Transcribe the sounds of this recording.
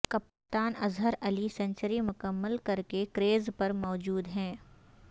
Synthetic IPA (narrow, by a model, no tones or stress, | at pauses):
kɐp | t̪aːnɐzɦəɾɐlisɐ̃ɲt͡ʃəɾimʊkəmːəlkɐɾkekɾeːzpɐɾmɔːd͡ʒuːd̪ɦɛ̃ː